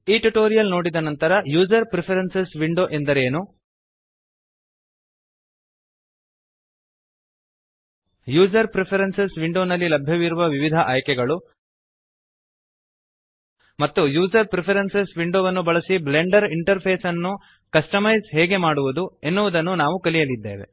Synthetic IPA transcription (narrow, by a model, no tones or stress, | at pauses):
iːʈuʈo̞ːɾijɐlno̞ːɽid̪ɐnɐnt̪ɐɾɐjuːd͡ʒɐɾpɾepʰɐɾensesʋiɳɖoːʔe̞nd̪ɐɾe̞ːnu | juːd͡ʒɐɾpɾepʰɐɾensesʋiɳɖoːnɐlːilɐbʱjɐʋiɾuʋɐʋiʋid̪ʱɐʔaːjkɛɡɐɭu | mɐt̪ːujuːd͡ʒɐɾpɾepʰɐɾensesʋiɳɖoːʋɐnːubɐɭɐsibleɳɖɐɾiɳʈɐɾpʰeːsɐnːu | kɐsʈɐmɐjsɦɛːɡe̞maːɽuʋud̪ue̞nːuʋud̪ɐnːunaːʋukɐlijɐlid̪ːeːʋe̞̰